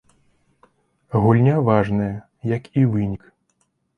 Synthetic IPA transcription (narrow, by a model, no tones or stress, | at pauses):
ɣulʲnʲavaʐnɐjɐ | jɐkivɨnʲik